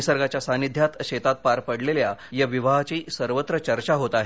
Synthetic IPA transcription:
isəɾɡat͡ɕjasanid̪ʱjat̪ɕet̪at̪̚paɾpəɽleljajaʋiʋaɦat͡ɕiːsəɾʋət̪ɾət͡ɕəɾt͡ɕaɦot̪aɦe

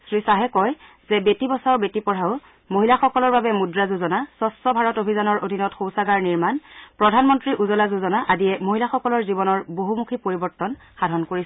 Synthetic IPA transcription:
sɹisaɦɛkɔj | z̥ɛbetibɔsaʊbetipɔɹ̤aʊ | moɦilaxɔkɔlɔɹbabɛmudɹazuzɔnasɔsɔbʱaɹɔtobʱizanɔɹʔodʱinɔtxowsaɡaɹniɹmanpɹɔdʱanmɔntɹiʔuzɔlazuzɔnaʔadijɛmoɦilaxɔkɔlɔɹzibɔnɔɹboɦumukʰipoɹibɔɹtɔn | xadʱɔnkoɹis

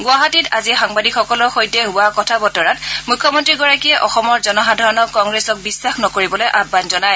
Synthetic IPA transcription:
ɡʊaɦatita̰zixaŋbadikxɔkɔlɔɹxojdɛɦʊwakɔtʰabɔtɔɹat̚mujkʰːɔmɔntɹiɡɔɹakiɛʔɔxɔmɔɹzɔnɔɦadʱaɹɔnɔkkɔŋɡɹesɔk̚bisːaxnɔkoɹibɔlojʔabːanzɔnaj

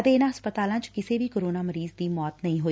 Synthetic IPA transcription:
əd̪eːnãːəspət̪aːlãːt͡ʃkɪseːbʱiːkoɾoːnaːməɾiːzd̪iːmɔːt̪nəĩɦoːi

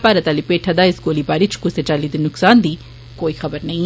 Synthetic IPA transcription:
paːɾɐt̪aːlipeːʈʰad̪aːɪsɡoːlibaːɾit͡ʃʰkuset͡ʃaːlid̪inʊksaːnd̪iː | koːixɐbəɾnɐɦĩ

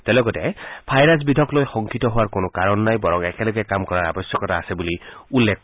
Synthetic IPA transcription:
tɛlɔɡɔtɛpʰajɹas̬bidʱɔklojxɔŋkitɔɦʊwaɹkʊnʊkaɹɔnːajbɔɹɔŋɛkɛlɔɡɛkamkɔɹaɹa̰bɔsjɔkɔtaːsɛbuliulːek̚

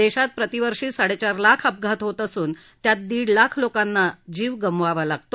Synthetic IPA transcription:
d̪eɕat̪̚pɾət̪iʋəɾʂiːsaɽet͡ɕaɾlakʰəp̚ɡʱat̪ɦot̪əsuːn | t̪jat̪̚d̪iːɽlakʰlokanːad͡ʑiːʋɡəmʋaʋalaɡt̪o

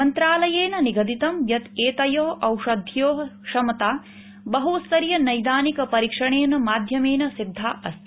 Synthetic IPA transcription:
ɐnt̪ɾaːlɐjeːnɐniɡɐd̪it̪ɐmjɐt̪eːt̪ɐjoɦɐʔɐwʂɐd̪ʱjoːɦɐʃɐmɐt̪aː | bɐɦusɐɾijɐnɐjd̪aːnikɐpɐɾikʂɐɳeːnɐmaːd̪ʱjɐmeːnɐsid̪ʱːaːʔɐ̰st̪

